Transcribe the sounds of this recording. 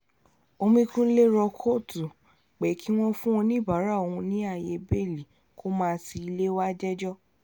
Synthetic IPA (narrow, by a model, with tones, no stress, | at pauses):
o˧mĩ˧kũ˦le˦ɾɔ˧kʰo˦˨tu˨ | k͡pɛ˨˦ki˦w̃ɔ̃˦fũ˦õ˧nĩ˦˨ba˨˦ɾa˦˨o˧hũ˧nĩ˨˦a˦˨je˧be˦˨li˨ | kʰo˦mãː˦˧ti˧i˧le˦wa˦d͡ʒɛ˦d͡ʒɔ˦